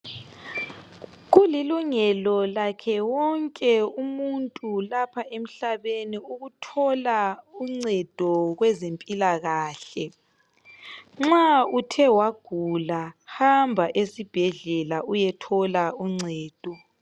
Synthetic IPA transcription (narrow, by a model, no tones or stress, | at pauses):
ɣuliluŋɛlɔlakʰɛwɔŋkʼɛumuntʼulapʰaem̩ɬaβeniuɣutʰɔlauŋ͡ǀɛd̥ʱɔɣwɛzempʼilaɣaːɬɛ | ŋ͡ǁautʰɛwaɡ̥ʱulahambʱaʔesib̥ʱɛɮɛlaujɛtʰɔlauŋ͡ǀɛːd̥ʱɔ